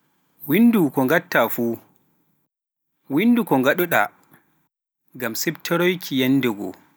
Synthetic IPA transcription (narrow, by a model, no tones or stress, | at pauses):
windukɔŋɡatːafu | windukɔŋɡaɗɔɗa̰ | ŋɡamsɛbtʰɔɾɔjkʰijanːdɛɡɔ̰